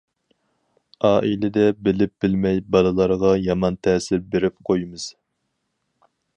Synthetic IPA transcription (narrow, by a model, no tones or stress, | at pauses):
ɑːʔilɪd̪ɛbɪlɪp̚b̥ɪlmɛjbɑlˠɨlˠɑɾʁɑjɑmɑnt̪ʰɛːsɪɾbeɾɪp̚qʰojmɨz̥